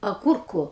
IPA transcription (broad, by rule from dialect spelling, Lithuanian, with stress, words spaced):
ɐˈɡʊrkʊ